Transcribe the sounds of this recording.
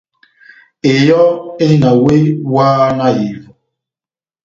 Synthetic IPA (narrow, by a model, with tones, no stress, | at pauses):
e˨jɔ˦ɪ˦na˨we˦waː˦na˦ji˨ɾu˨